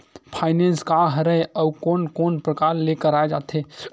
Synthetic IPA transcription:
pʰaɪnenskaɦəɾəeəukonkonpɾəkaɾlekəɾaed͡ʒat̪ʰe

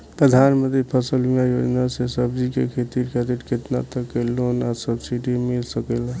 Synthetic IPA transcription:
pɾəd̪ʱanmə̃nt̪ipʰəsəljajod͡ʒnasesəbd͡ʒikḛkʰet̪iɾkʰəɾiʈkʰet̪na̰t̪əkːelonasəbsiɖimilsəkəl

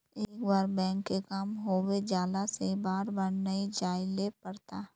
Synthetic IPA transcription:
eːkbaːɾbɛ̃ːŋkːekamɦoːwed͡ʒaːlasebaːɾbəɽnɐid͡ʒaːɪlepɐɽt̪aː

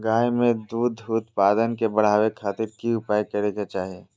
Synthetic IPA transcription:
ɡaːjmẽd̪uːd̪ʱʊt̪paːd̪ənkebɐɽ̤aːʋekʰaːt̪ɪɾkiʊpaːikeɾeket͡ʃaːɦie

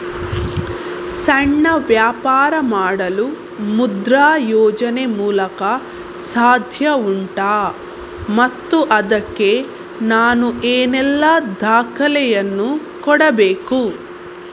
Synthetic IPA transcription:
sɐɳːɐʋjaːpaːɾɐmaːɽɐlu | mud̪ɾaːjɔːd͡ʒɐnemuːlɐkɐ | saːd̪ʱjɐuɳʈaː | mɐt̪ːuʔɐd̪ɐkːeː | naːnuʔeːnɛlːad̪ʱaːkɐlɛjɐnːu | kɔɽɐbeːku

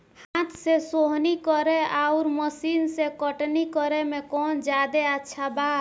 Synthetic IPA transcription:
hãt̪sesoɦnikɔɾeauɾməsinsekəʈnikəɾemekɔnd͡ʒad̪eətːʃʰaba

